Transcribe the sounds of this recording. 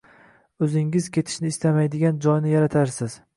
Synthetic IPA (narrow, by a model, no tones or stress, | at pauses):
ɵzɪŋɪzkʲʰe̞t̪ʰɪ̥ʃnɪːst̪amajd̪ɪɡʲand͡ʒɒjnɪjaɾat̪ʰaɾsɪz̥